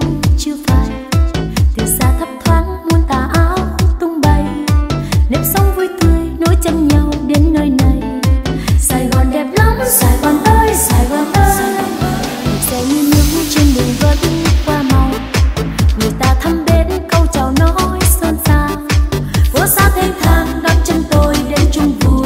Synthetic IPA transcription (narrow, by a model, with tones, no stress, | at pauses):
ŋ͡mt͡ɕɨ˧əfaː˨˩j | t̪ʰɨ˨˩wsaː˧t̪ʰə˦˥p̚t̪ʰwaː˨˦˥nmu˧ənt̪aː˨˩ʔaː˧˦wt̪ʊ˧ŋ͡mɓə˧j | nɛ˨˥msə˨˧˦wŋ͡mvu˧˦jt̪ɨ˧əjno˧˦jt͡ɕə˧mɲa˧wɗe˨˦nːəː˧jna˨˩j | saː˨˩jɣɔ˨˩nɗɛ˨˩p̚la˨˦msaː˨˩jvaː˨˩nʔəː˧jsaː˨˩jɣaː˨˩nʔəː˧˦˧ | zɛ˧˨˩wɲɨ˧ɲɨ̰˧˦ŋt͡ɕi˧nɗɨ˨˩ŋvə˨˦t̚kwaː˧ma˨˩w | ŋɨ˨˩əjt̪aː˧t̪ʰə˧mɓe˨˦nkə˧wt͡ɕa˨˩wnɔ˨˧˦jsə˧nsaː˧ | vɔ˧˦saː˧t̪ʰe˧ŋt̪ʰaː˧ŋɗa˨˦p̚t͡ɕə˧nt̪o˧jɗe˨˦nt͡ɕʊ˧ŋ͡mvɨ˧˩